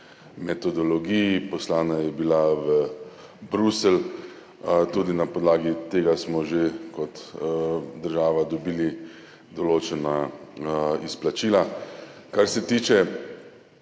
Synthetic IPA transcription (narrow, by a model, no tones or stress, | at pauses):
mɛt̪ɔd̪ɔlɔɡijipɔslaːnajɛbilaʋə | bɾusɛl | t̪uːd̪inapɔd̪laːɡit̪eːɡasmɔʒekɔt̪ | d̪əɾʒaːʋad̪ɔbiːli | d̪ɔloːt͡ʃɛna | isplat͡ʃiːlakaɾsɛt̪iːt͡ʃɛ